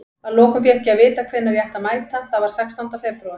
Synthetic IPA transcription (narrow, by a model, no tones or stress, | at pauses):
aðlɔːkʏmfjɛhcːɪaðvɪːt̪akʰvɛnaɾjaht̪amaːjt̪aθavaɾ̥sɛkst̪ant̪afɛpɾawʏ